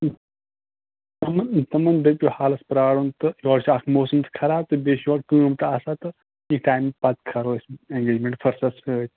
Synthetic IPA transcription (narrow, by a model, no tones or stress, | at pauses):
t̪ɐmɐt̪ɐmɐnb̪epʲjohaːlɐspɾaːɽunt̪ɨjɔːɽt͡ʃʰakʰmoːsɐmt̪ʰkʰɐɾaːt̪ɨbeːʃjɔːɽkɨ̃ːmt̪asat̪ɨ | ik̚ʈaːjmpɐt̪kʰɐɾoːseŋɡeːd͡ʒmẽɳʈfʰɐɾsɐsət̪ʲ